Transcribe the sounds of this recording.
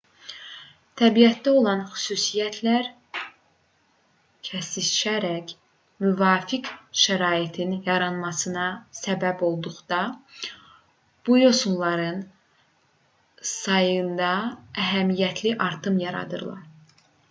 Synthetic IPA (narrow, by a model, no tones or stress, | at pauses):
t̪ʰæbijæt̪̚d̪æo̞lˠɑnxy̥suːsijæt̪ʰlæɾ | cʰæsit͡ʃæɾæc | myvɑːfikʃæɾɑːit̪ʰinjɑɾɑnmɑsɯnɑsæbæbo̞lˠd̪uχd̪̥ɑ | b̥ujo̞sunlˠɑɾɯn | sɑjɯnd̪ɑæɦæmijæt̪ʰliʔɑɾt̪ʰɯmjɑɾɑ̰d̪ɯ̰ɾlˠɑ̰ɾ